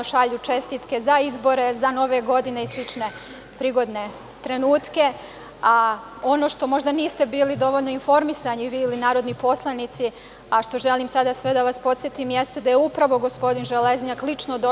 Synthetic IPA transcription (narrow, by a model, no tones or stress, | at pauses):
ʃaʎut͡ʃe̞st̪it̪ke̞zaizbo̞ɾe̞zano̞ʋe̞ɡo̞d̪ine̞islit͡ʂne̞ | pɾiːɡo̞d̪ne̞ | t̪ɾe̞nuːt̪ke̞ | a | o̞no̞ʃt̪o̞mo̞ʒd̪aniːst̪e̞biːlid̪o̞ʋo̞ʎno̞info̞ɾmisaɲiʋiːlinaːɾo̞d̪nipo̞slˠanit̪si | aʃt̪o̞ʒe̞limsad̪asʋe̞d̪aʋaspo̞t̪sʲjet̪imjest̪ed̪ajeupɾaʋo̞ɡo̞spo̞d̪inʒelezɲaklit͡ʃnod̪o